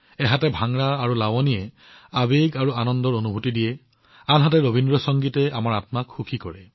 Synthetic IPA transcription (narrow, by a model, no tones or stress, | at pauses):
ɛɦatɛbʱaŋɹaːɹulawɔnijɛ | abeɡaɹuanɔndɔɹonubʱutidijɛ | anɦatɛɹobʱindɹɔsɔŋɡitɛamaɹatmakxukʰikɔɹɛ